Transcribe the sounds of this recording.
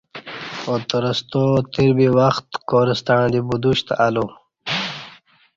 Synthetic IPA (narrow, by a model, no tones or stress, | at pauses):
ot̪əɾəst̪ot̪iɾbiwɐxt̪koɾəst̪aɳ̃d̪ibud̪uɕt̪aalo